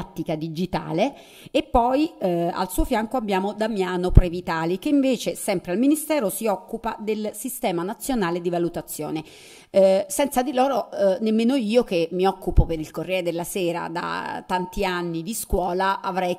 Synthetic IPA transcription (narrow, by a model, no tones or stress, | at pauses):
t̪ːikad̪id͡ʒit̪a̰ːleː | pːɔja̰lsuːofjaŋkoabːjaːmod̪amjaːnopɾevit̪aːlik̟eiɱveːt͡ʃesɛmpɾealminist̪ɛːɾosiɔkːupad̪elsist̪ɛːmanat̪sːjonaːled̪ivalut̪at̪sːjo̰ːne | sɛnt̪sad̪iloːɾonemːeːnoiːokemːiɔkːupopeɾilkorːɛːed̪elːasɛːɾa̰d̪a̰t̪ːant̪ianːid̪iskwɔːlaʔavɾɛj